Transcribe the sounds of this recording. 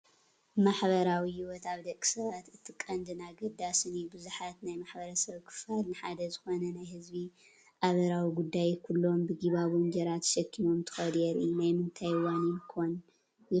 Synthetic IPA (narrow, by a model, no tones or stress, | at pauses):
maħβɐɾawihɪwɔt̪aβd̪ɐkʲʼːi̥sɐβat̪ɨt̪ʰːɨkʼːɐnd̪ɨnaɡɐd̪asɨnibɨzuħat̪najmaħbɐɾɐsɐβkʰɨ̥falnɨħad̪ɐzɨxo̞nɐnajhɨzbi | ʔaβɐɾawiɡud̪ːajkʰulːo̞mbɨɡiβaβomd͡ʒɐɾat̪ʰʃɐkʰːimo̞mt̪ʰɨ̥xɐd̪ɛɾḭjunajmɨnt̪ʰajwanimkʰon | j